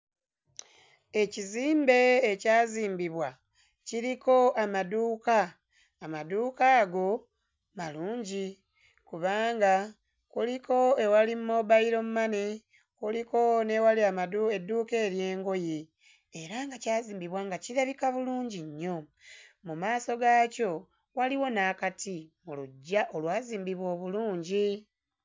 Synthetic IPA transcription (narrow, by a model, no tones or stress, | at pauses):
e̞ciziːmbe̞ːcaːziːmbiβwa | ciɾiko̞amaduːkaː | maduːkaːɡo̞ | maluːɲɟi | kuβaːŋɡa | kuliko̞ewalimmoβaiɾo̞mumane | kuliko̞newaliamaduedːuːke̞ːɾje̞ːŋɡo̞je | eɾaŋɡacaːziːmbiβwaːŋɡaciɾaβikaβuluːɲɟiɲːo̞mumaːso̞ɡaːco̞ | waliwo̞naːkatimuluɟːaʔo̞lwaːziːmbiβwo̞ːβuluːɲɟi